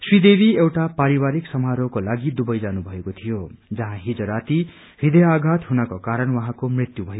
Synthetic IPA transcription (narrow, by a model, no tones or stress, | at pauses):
swid̪ebʱiewʈapaɾiwaɾiksʌmɦaɾokolaɡid̪ubʌjd͡zanubʱʌekot̪ʰijod͡zʌɦãɦid͡zʌɾat̪i | hid̪ejaɡʱat̪ɦunakokaɾʌnwʌɦãkomrit̪jubʱʌ